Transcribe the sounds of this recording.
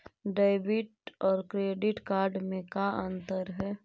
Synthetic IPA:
ɖaɪbɪʈɔːɾkɾeːɖɪʈkaːɾɖmẽkaənt̪əɾɦɛː

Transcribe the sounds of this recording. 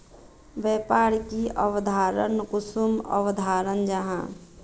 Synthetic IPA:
ʋɛːpaːɾkiʔəʋd̪ʱaːɾə̰nkusumə̰ʋd̪ʱaːɾənd͡ʒəɦã̰ː

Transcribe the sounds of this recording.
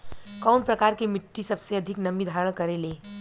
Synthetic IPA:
kaʊnpɾəkaːɾkemɪʈːisɐbseɐd̪ʱɪknɐmid̪ʱaːɾəɽ̃kɐɾele

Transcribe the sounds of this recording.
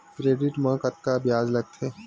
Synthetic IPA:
kɾeːɖɪʈmə̃kət̪̚kabjaːd͡ʒlɐɡ̚t̪ʰɦeː

